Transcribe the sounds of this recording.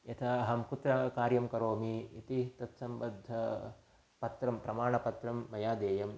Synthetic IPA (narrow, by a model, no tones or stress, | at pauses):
jɐt̪ʰɐɐɦɐmkut̪ɾɐkaːɾjɐmkɐɾoːmiit̪it̪ɐt̪sɐmbɐd̪ʱːɐ | pɐt̪ɾɐmpɾɐmaːɳɐpɐt̪ɾɐmːɐjaːd̪eːjɐm